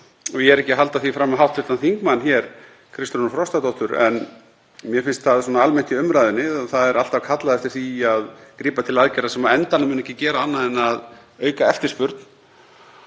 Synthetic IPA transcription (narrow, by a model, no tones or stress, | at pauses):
vɪɛɾɛhcɪɦal̪t̪aθvifɾamːaɦawht̪fʏt̪anθiŋkmanːçjɛɾ̥ | kʰɾɪst̪ɾnafɾɔst̪at̪ɔwht̪ʏɾɛ̰n | mjɛfɪnst̪θaðsɔːnaalmɛn̥t̪ɪʏmɾajðɪnːɪɔθaðɛɾal̥t̪avkʰat̪laðɛft̪ɪɾ̥θiaðkɾiːpat̪ʰɪlaðcɛɾasɛmaɛnt̪anamʏnɛhcɪcɛːɾaanːaðɛnað | œːɥkaɛft̪ɪɾ̥spʏɾt̪n